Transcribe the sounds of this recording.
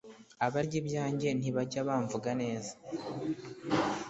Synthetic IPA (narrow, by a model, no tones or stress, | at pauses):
aβaɾɟibɟaːɲɟe̞n̥iβaɟaβaːɱvuɡane̞ːzḁ